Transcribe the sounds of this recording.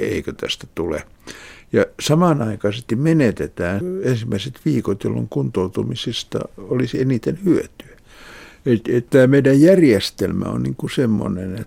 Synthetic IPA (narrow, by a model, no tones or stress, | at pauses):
ḛikøt̪æ̰st̪æt̪ulḛ | jɑsɑmɑnɑikɑisest̪immenet̪et̪æːnensimːæiset̪ʋiːkot̪jo̰lːo̰ŋkunt̪oˑut̪umisist̪ɑ̰olisenit̪enhyøt̪yæ | et̪ett̪æːmeidæjjærjest̪elmæ̰o̰nniŋkusemːo̰nenet